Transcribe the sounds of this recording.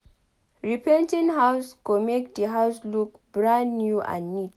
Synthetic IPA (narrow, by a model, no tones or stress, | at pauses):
ɹipɛ̃ntĩnɦaʊskomek̚diɦaʊslukbɹãnːjuʔã̰nːit̚